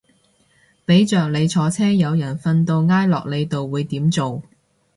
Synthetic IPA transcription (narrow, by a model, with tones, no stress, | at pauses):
pe˨˥jt͡ʃœː˨k̚le˨˧jt͡sʰɔː˨˧t͡sʰɛː˥jɐ˨˧wjɐ˨˩nfɐ˧nt̪o˧wŋaː˥jlɔː˨k̚le˨˧jt̪o˨wːuː˨˧jt̪iː˨˥mt͡so˨w